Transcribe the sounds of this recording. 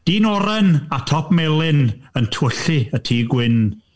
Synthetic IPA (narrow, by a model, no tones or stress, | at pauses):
d̥iːnɔɾɛnatʰɔpʰmɛlˠɪnəntʰwəɬiətʰiːɡwɪn